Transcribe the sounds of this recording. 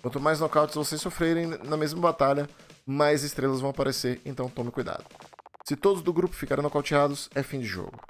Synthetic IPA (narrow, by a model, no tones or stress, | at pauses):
kwɐ̃nt̪ʊmajznokawt͡ʃɪzvosejsofɾeɾẽj̃nɐmezmɐbat̪aʎɐmajzɪst̪ɾelɐzvɐ̃w̃apaɾʔeseɾẽnt̪ɐ̃w̃t̪õmɪkujd̪a̰d̪ʊsɪt̪od̪ʊzd̪ʊɡɾupʊ̥fikaɾẽnowkawt͡ʃiad̪ʊsɛfĩd͡ʒɪʒɔ̰ɡʊ